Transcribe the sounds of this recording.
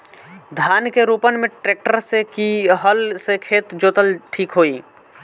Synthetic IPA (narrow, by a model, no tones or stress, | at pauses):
d̪ʱjaːnkeɾuːpənmẽʈɾeːk̚ʈəɾsekiɦəlsekʰeːt̪d͡ʒoːt̪əlʈʰiːkɦoːiː